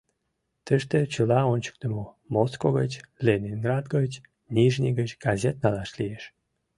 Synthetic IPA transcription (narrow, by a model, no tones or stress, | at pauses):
t̪əʃt̪et͡ɕəlɑonʲt͡ɕə̥k̚t̪əmo | moskoɣət͡ɕlʲenʲinɡrɑd̪ɡət͡ɕ | nʲiʒnʲiɣət͡ɕɡɑzʲet̪̚nɑlɑʃlieʃ